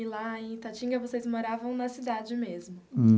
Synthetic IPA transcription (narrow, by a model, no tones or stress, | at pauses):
ilaẽj̃t̪at͡ʃĩŋɡɐvosezmoɾavɐ̃w̃nɐsid̪ad͡ʒɪmezmʊ̃